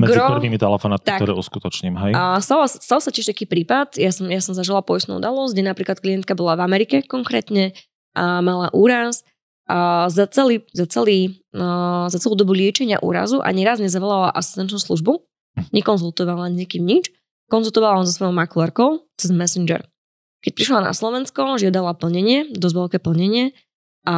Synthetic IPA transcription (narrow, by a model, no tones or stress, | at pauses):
mɛɡɾiɔpɾʋiːmit̪ɛlɛfɔnat̪t̪ak̪ɔɾɛ̰ṵskut̪ɔt͡ʃɲiːmɦɛjst̪alasst̪alˠsacɪɛʃt̪akiːpɾiːpat̪jasɔmjasɔmzaʒilapɔjist̪nṵːṵd̪alɔzɟɛnapɾiːklat̪̚klijɛnt̪̚kabɔlavamɛɾikɛkɔŋkɾɛːt̪ɲɛ | ʔamalaʔuːɾas | zat͡sɛliːzat͡sɛliː | zat͡sɛluːd̪ɔbulɪɛt͡ʃɛɲɪa̰ʔṵːɾa̰zuʔa̰ɲɛɾazɲɛzaʋɔlala̰ʔasi̥st̪ɛnt͡ʃnuːsluʒbu | ɲɛkɔnzulˠt̪ɔʋalaɲɛɲɛkiːmɲit͡ʃ | kɔnzulˠt̪ɔʋalaɔzɔsʋɔjɔʊmaklˠɛɾkɔʊt͡sɛzmɛsind͡ʒɛ̰ɾ | kɛc̚pɾiʃlana̰slˠɔʋɛnskɔʒɪad̪alapl̩ɲɛɲɪɛd̪ɔzʋɛlkɛːpl̩ɲɛɲɪɛ | a